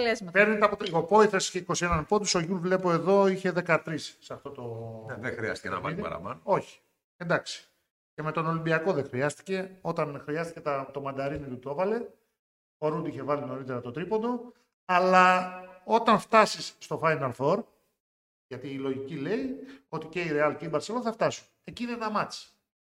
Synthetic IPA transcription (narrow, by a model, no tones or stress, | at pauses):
lezmɐpeɾnit̪ɐpoopo̞iθesi̥çeiko̞sie̞nɐnpod̪iso̞ʝulvle̞po̞e̞ðo̞içe̞ðe̞kɐt̪ɾisːeɐft̪o̞t̪o̞ðexɾiɐ̰st̪i̥cenɐ̰mɐ̰nɐ̰ɾɐ̰mɐno̞çi̥ | e̞nd̪ɐksi̥ | ce̞me̞t̪o̞no̞limbiɐko̞ðexɾiɐst̪i̥ce̞o̞t̪ɐnxɾiɐst̪ice̞t̪ɐt̪o̞mɐnd̪ɐɾinit̪ut̪o̞vɐle̞ | o̞ɾund̪iiçe̞vɐlino̞ɾit̪e̞ɾɐt̪o̞t̪ɾipond̪o̞ | ɐlɐo̞t̪ɐɱft̪ɐsisːt̪o̞fɐjnɐlfo̞ɾ | ʝɐt̪iːlo̞ʝicile̞io̞t̪ice̞iɾeɐlceibɐɾseloθɐft̪ɐsu̥n | e̞ciinenɐmɐt͡si̥